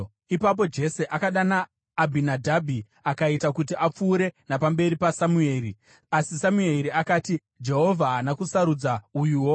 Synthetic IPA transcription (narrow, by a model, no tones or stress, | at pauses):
ipap̬o̞d͡ʒe̞se̞ʔakaɗanaː | bʱinadʱabʱi | akaitakut̬iap͡fuːɾe̞napambe̞ɾipasamue̞ɾi | asisamueɾiakaːti | d͡ʒe̞ɦo̞vʱaːnakusaɾud͡zaujuːwo̞